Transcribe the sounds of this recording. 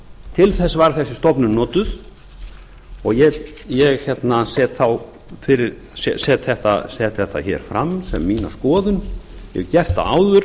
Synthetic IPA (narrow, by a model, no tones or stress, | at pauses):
t̪ʰɪlθɛsːavaɾθɛsːɪst̪ɔpnʏnnɔːt̪ʏð | ɔɣjɛ | jɛɣçɛt̪nasɛːt̪θaw | fɪɾɪɾ | sɛsɛːt̪θɛht̪a̰sɛt̪θɛht̪ːa̰çɛ̰ːɾ̥fɾamsɛmːiːna̰skɔːðʏnjɛ̰ɣcɛr̥t̪a̰a̰ːwðʏɾ